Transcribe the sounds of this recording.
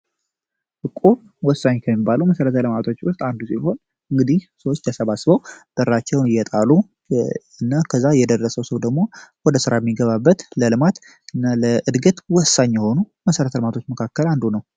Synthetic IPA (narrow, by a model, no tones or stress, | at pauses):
ʔɨkʼu | wɔsːaɲkʰəmːibːaluməsəɾət̪ʰələmat̪ʰo̞t͡ʃːwʊst̪ʼand̪usiho̞n | ɨŋɡɨd̪ihsəwot͡ʃːt̪ʰəsəβasbəwb̪̥əɾːat͡ʃːɛwnɨjːɛt̪ʼalu | ɨnːakʰəzːajɛd̪ərːəsəwsəwd̪əɡmo̞wɔd̪əsɨɾajɛmːiɡəβabːət̪ləlɨmat̪ | ɨnːaləʔɨd̪ɡət̪wɔsːaɲjɛho̞nu | məsəɾət̪ʰəlmat̪ʰot͡ʃːməkʰakːəland̪unəw